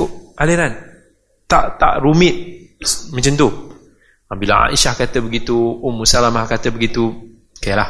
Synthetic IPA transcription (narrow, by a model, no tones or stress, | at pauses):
ʊaliɾan | t̪a̰ʔt̪a̰ʔɾumɪt̪̚mə̃ɲt͡ʃənt̪u | abila̰a̰ʔiʃahkat̪əbəɡit̪uomusalamahkat̪əbəɡit̪u | kajalah